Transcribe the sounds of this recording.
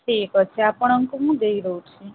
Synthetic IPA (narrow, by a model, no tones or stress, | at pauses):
ʈʰekət͡ʃʰeapəɳəŋkoɦũd̪əiɾəɦũt͡ʃʰe